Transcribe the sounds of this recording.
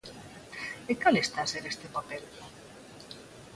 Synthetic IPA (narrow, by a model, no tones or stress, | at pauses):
ekalest̪aːseɾest̪epapel